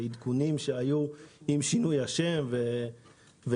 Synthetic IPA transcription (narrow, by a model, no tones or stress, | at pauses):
id̪kunimʃe̞ajuimʃinujhaʃe̞mve | ve